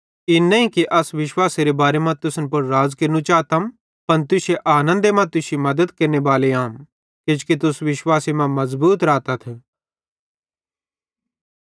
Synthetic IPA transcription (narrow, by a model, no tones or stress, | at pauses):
ɪnːɐ̃ĩkiʔɐsʋɪʃwaːseɾebaːɾemãt̪ʊsnpɐɾːaːd͡zkɐɾnũt͡ʃaːt̪am | pɐnt̪ʊʃeʔaːnə̃nd̪emãt̪ʊʃimɐd̪əd̪kɐɾnebaːleaːm | kɪd͡ʒkit̪ʊsʋɪʃwaːsimãmɐzbuːt̪ɾaːt̪at̪ʰː